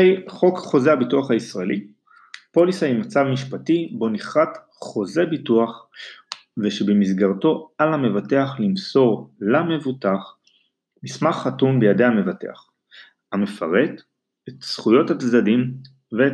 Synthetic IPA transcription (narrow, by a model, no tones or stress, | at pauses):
jχo̞kχo̞zehabituaχhaisʁaeli | po̞lisajimat͡savmiʃpatibo̞niχat | χo̞ze̞bituaχ | veʃebemizɡaʁto̞alhame̞vate̞aχlimso̞ʁlame̞vutaχ | mismaχːatumbejadehame̞vate̞̰aχ | ame̞faʁe̞t | etsχujo̞thatdadim | ve